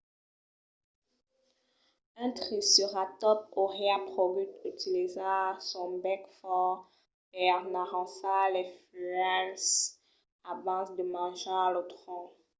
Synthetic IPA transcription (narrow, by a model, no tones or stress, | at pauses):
ɛ̃t̪χisyʁat̪ɔp̚oʁeapχovyt̪yt̪ilizasɔ̃bɛkfɔʁ | ɛʁnaʁɑ̃salɛfyɛ̃ls | avɑ̃sd̪əmɑ̃ʒalot̪χɔ̃